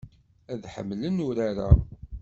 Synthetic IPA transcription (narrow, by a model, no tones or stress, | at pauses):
æðħə̰mːlənʊɾaɾa̰